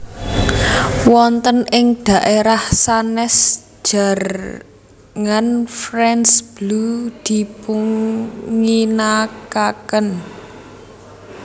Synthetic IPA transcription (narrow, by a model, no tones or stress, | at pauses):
wɔnt̪ənʔɪŋɖ̪̥ä̤ʔeɾahsanɛs | ʒ̥a̤r | ŋanfrɛnsb̥lud̪̥i̤puŋː | inakakən